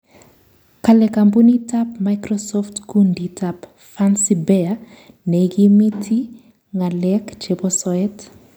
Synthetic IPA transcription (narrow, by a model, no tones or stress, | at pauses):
kalɛkambunitapmajkɾɔsɔftkunditap | fansibɛa | nɛɡimitʰi | ŋalɛkd͡ʒepɔsɔɛt